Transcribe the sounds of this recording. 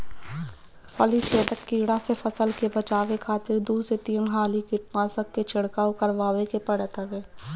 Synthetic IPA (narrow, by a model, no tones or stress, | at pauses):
pəlit͡ʃʰeːt̪əkːiːɽasepʰəsəlkebət͡ʃaːʋekʰaːt̪ɪɾd̪uːset̪iːnɦaːlikɪʈmaːsəkːet͡ʃʰɪɽkaːokəɾʋaːʋekepəɽet̪ʰəʋeː